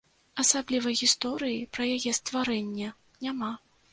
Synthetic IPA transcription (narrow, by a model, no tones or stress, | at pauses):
ɐsablʲivɐjɣʲist̪ɔɾɨjipɾɐjajɛst̪vaɾɛnʲːɐ | nʲama